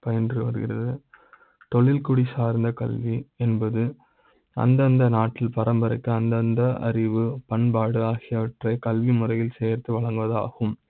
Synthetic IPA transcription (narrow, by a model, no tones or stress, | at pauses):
pɐjɐndrɯʋɐɾɯɣɪ̰rɐðɯ | t̪ɔɭɪlkʊɽisaːɾnd̪ɐkɐlʋiɛnbɐðɯ | ɐ̰nd̪ɐnd̪ɐnaːʈːɪlpɐɾɐmbɐɾɐɪkːɯɐnd̪ɐnd̪ɐʔɐ̰ɾɪʋɯpɐɳbaːɽɯaːɣɪjɐʋɐʈrɐɪkɐlʋimʊrɐjɪlsɛːɐɾt̪ɯʋɐɭɐŋɡɯʋɐða̰ːɣɯm